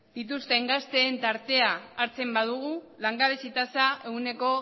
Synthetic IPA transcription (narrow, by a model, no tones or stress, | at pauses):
d̪̥it̪ust̪e̞ŋɡast̪e̞ːnt̪aɾt̪e̞aːɾt͡se̞mbað̞uɣ̞u | laŋɡaβisit̪asae̞une̞ko̞